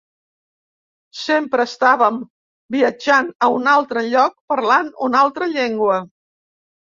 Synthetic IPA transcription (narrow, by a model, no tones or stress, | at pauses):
sempɾəːst̪aβəm | biəd͡ʒanəunalˠt̪ɾəʎɔk̚pəɾlanunalˠt̪ɾəʎeŋɡwə